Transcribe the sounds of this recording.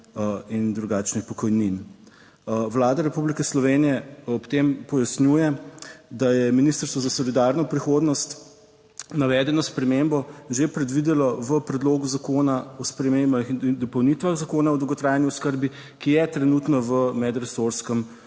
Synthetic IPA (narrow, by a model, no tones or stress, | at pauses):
ind̪ɾuɡaːt͡ʃnixpɔkɔjnin | ʋlaːd̪aɾɛpublikɛslɔʋenijɛɔpt̪empɔjasnjujɛd̪ajɛminist̪əɾst̪ʋɔzasɔlid̪aɾnɔpɾixoːd̪nɔst̪ | naʋɛːd̪ɛnɔspɾɛmembɔʒepɾɛd̪ʋid̪ɛlɔʋəpɾɛd̪loːɡuzakoːnaɔspɾɛmembaxd̪ɔpɔwnit̪ʋaɣzakoːnaɔd̪lwɡɔt̪ɾaːjanjuskəɾbi | kijɛt̪ɾɛnut̪nɔʋəmɛd̪ɾɛsoɾskəm